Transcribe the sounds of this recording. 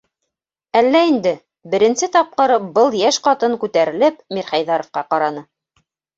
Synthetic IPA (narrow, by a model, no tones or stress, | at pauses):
ælːæind̪ɘ | bɘ̆ɾɘ̆nsɘt̪ɑp̚qɤɾbɤlˠjæʃqɑt̪ɤŋkʉt̪æɾɘ̆lɘpmiɾχæjðɑɾŏfqɑqɑɾɑnɤ